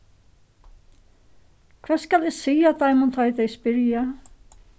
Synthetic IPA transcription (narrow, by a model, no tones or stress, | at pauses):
kʰvɛ̥ːskalɪɣsiːjat̪ʰajmunt̪ʰaɪθejspɪɾja